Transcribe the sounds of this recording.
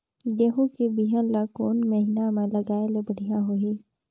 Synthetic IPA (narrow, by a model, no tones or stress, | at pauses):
jeɦũkibiɦənlaːkoːnmɐɦɪnamẽlɐɡaːelebɐɽ̤ijãɦoi